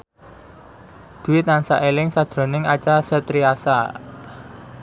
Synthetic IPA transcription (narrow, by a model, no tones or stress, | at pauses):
d̪̥ṳwɪt̪̚nansa̰ʔelɪŋsad̥ʒ̥ɾo̤nɪŋat͡ʃasɛt̪ɾiasa